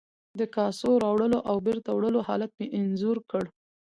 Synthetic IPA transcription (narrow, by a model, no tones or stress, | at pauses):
d̪əkɑsoɾɑwɽəloʔawbeɾt̪awɽəlohɑ̰lat̪̚meʔɪnzuɾkəɽ